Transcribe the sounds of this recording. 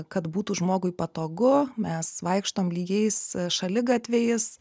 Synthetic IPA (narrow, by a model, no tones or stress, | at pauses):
kɐt̪buːt̪uːʒmoːɡʊɪpɐt̪oːɡʊmʲɛsʋɐɪkʃt̪oːmlʲiːɡʲɛɪsʃɐlʲɪɡɑt̪ʲʋʲejɪs